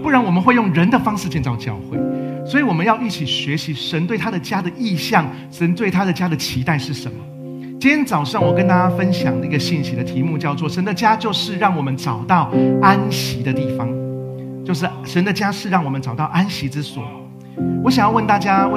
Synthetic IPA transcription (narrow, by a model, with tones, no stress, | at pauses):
pu˥˩ɻa˧˦nwɔ˨˩mə˨nxwe˥˧jʊ˥˩ŋɻə˧˦nd̪ə˨fɑ˥ŋʂɻ̩˥˧t͡ɕjɛ˥˧nt͡sɑ˥˧ʊt͡ɕjɑ̰˥˧ʊxwe˥˩ɪswɔ˧˥i˧˦wɔ˨˩mə˦njɑ˥˧ʊi˥˩t͡ɕʰi˨˩ɕɥɛ˧˥ɕi˧˦ʂə˧˥nt̪we˥˩ɪt̪ʰa˥d̪ə˨t͡ɕja˥d̪ə˨ʔi˥˧ɕjɑ˥˩ŋ | ʂə˧˥nt̪we˥˩ɪt̪ʰa˥d̪ə˨t͡ɕja˥d̪ə˨t͡ɕʰi˧˥t̪a˥˧ɪʂɻ̩˥˩ʂə˨˦nmə˨ | t͡ɕnt͡sɑ˨˩ʊʂɑ˥˩ŋwɔ˨˩kə˥˦nt̪a˥t͡ɕja˥fə˦˥nɕjɑ̰˨˩ŋd̪ə˦i˧˥ɡə˧ɕi˥˩nɕi˧˥d̪ə˨t̪ʰi˧˦mu˥˧t͡ɕjɑ˥˧ʊt͡swɔ˥˩ʂə˧˦nd̪ə˨t͡ɕja˥t͡ɕjo˥˧ʊʂɻ̩˥˧ɻɑ˥˩ŋwɔ˨˩mə˦nʈ͡ʂɑ˨˩ʊt̪ɑ˥˩ʊa˦˥nɕi˧˥d̪ə˧t̪i˥˩fɑ˦ŋ | t͡ɕjo˥˧ʊʂ̬ɻ̩˥˩ʂə˧˦nd̪ə˨t͡ɕja˥ʂɻ̩˥˧ɻɑ˥˩ŋwɔ˨˩mə˦nʈ͡ʂɑ˨˩ʊt̪ɑ˥˩ʊʔa˥nɕi˧˦˥t͡sɻ̩˥˦swɔ̰˨˩˦ | wɔ˧˦ɕjɑ˨ŋjɑ˥˧ʊwə˥˧nt̪a˥˩t͡ɕja˥˦